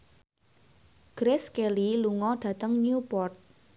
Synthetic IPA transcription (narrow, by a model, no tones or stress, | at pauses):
ɡ̥ɾeskeliluŋɔɖ̥ä̤t̪əŋnjupɔrt̪̚